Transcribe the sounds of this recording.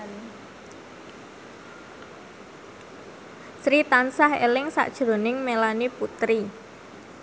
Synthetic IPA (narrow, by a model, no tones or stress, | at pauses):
sɾit̪ansahḛlɪŋsa̰ʔd̥ʒ̥ɾo̤nɪŋmelaniput̪ɾi